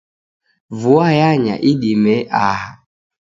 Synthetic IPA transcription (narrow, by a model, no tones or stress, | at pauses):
vuajaɲa̰ʔiɗimɛʔaha